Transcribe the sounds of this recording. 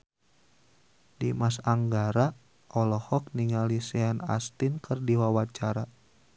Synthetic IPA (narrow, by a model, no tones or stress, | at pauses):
dimasaŋɡaɾa | ʔɔlɔhɔk̚niŋalisɛana̰st̪ɪnkərdiwawat͡ʃaɾa